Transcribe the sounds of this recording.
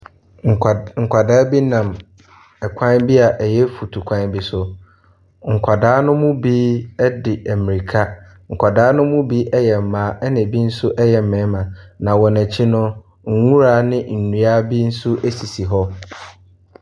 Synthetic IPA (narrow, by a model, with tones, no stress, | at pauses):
ŋ̩˨kʷʰa˨daː˦bi˦nã˨m | ɛ˨kʷʰã˦bi˦a˨ʔɛ˨jɛ˦fu˨tʰu˨kʷʰã˦n˦bi˨sʊ˨ | ŋ̩˨kʷʰa˨daː˦nʊ̃˦mʊ̃˦biː˦ɛ˦dɪ˨ʔæ˨mĩ˨ɾi˨kʰa˦ | ŋ̩˨kʰʷa˨daː˦nʊ̃˦mʊ̃˦bi˦ʔɛ˦jɛ˨m̩˨mãː˨˦ʔɛ˦nɪ̃˨bi˦n̩˦sʊ˦ʔɛ˦jɛ˨m̩˨mɪ̃˨˦mã˨nã˨wɔ˨næ˨t͡ɕʰi˦nʊ̃˦ | ŋ̩˦ŋũ˦ɾaː˨˦˨nɪ̃˦n̩˨nũ˨a˦bi˦n̩˦sʊ˦ʔæ˦si˨si˨ɦɔ˦